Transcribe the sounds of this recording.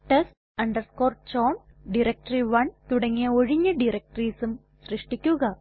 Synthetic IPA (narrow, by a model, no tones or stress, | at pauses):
ʈɐs | ɐɳɖɐɾskoːrt͡ɕoːn | ɖiɾɐk̚ʈɐɾiʋɐɳt̪uɽɐŋːijɐoɻiɲːɐɖiɾɐk̚ʈriːsum | srɨʂʈikʲːuɣɐ